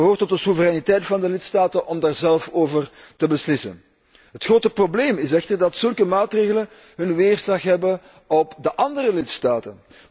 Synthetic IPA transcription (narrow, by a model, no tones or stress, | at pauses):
ɦoːrtɔt̚dəsuvəɾɛnitɛjtfɑndəlɪtstaːtənʔɔmdaːrzɛlˠfoːvər | təbəslɪsə̰n | ɦətxroːtəprobleːmɪs̬ɛxtərdɑtsɵlˠkəmaːtreːɣələn | ɦɵnʋeːrsɑxɦɛbən | ɔpdəʔɑndərəlɪtstaːtən